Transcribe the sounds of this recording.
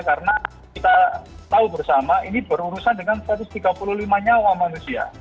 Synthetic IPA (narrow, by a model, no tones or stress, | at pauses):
kaɾəna | kit̪at̪aubərsamaʔinibəɾuɾusandəŋansəɾat̪ʊst̪iɡapululimaɲawamanusia̰